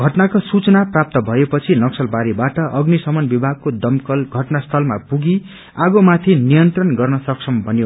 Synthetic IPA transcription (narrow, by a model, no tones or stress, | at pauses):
ɡʱʌʈnakosut͡sʌnaprap̚t̪ʌbʱʌepʌt͡sʰinʌksʌlbaɾibaʈʌʔʌɡnisʌmʌnbibʱaɡ̚kod̪ʌmkʌlɡʱʌʈnast̪ʰʌlmapuɡi | aɡomat̪ʰinijʌnt̪rʌnɡʌrnʌsʌksʰʌmbʱʌnjo